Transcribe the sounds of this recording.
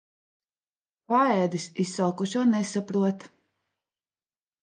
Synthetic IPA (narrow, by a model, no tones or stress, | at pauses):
paɛːd̪isisːalkuʃuɔnɛsapɾuɔt̪